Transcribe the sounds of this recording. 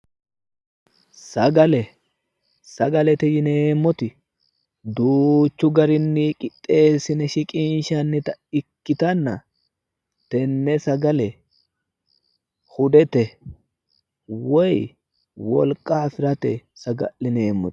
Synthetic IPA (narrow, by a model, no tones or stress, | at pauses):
sɐɡɐlɛ | sɐɡɐlɛt̪ɛjɪneːmːɔt̪ɪ | d̪uːt͡ʃːʊɡɐɾɪnːikʼɪtʼːe̞ːsɪnɛʃɪkʼinʃɐnːɪt̪ɐɪkːɪt̪ɐnːɐ | t̪ɛnːɛsɐɡɐlɛ | hʊd̪ɛt̪ɛ | wɔj | wɔ̰lkʼaːfɪɾɐt̪ɛsɐɡɐ̰lːɪneːmːɔt̪